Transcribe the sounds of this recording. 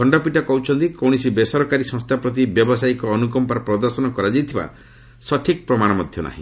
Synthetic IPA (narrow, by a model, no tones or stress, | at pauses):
kʰɔɳɖɔpiʈakɔɦut͡ʃʰɔnt̪ikɔwɽ̃isibesɔɾɔkaɾisɔ̃ŋst̪ʰapɾɔt̪̬ibjɔbɔsaikɔːnukɔmpaɾɔpɾɔd̪ɔɾsɔnɔkɔɾad͡ʒijt̪ʰiba̰ | sɔʈʰik̚pɾɔmaɽ̃ɔmɔd̪ʱjɔna̰ɦḭ̃